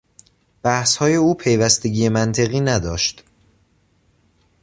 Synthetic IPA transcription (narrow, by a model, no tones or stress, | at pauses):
b̥æhshɒːje̞uːpʰejvæst̪e̞ɟiːe̞mænt̪ʰe̞ɣiːnæd̪ɒːʃt̪